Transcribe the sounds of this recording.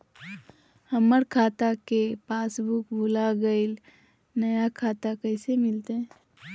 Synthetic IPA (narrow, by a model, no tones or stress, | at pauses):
həməɾkʰaːt̪akepaːsbukbʱʊlaɡəɪl | nɐjakʰaːt̪akəɪsemɪlt̪ẽ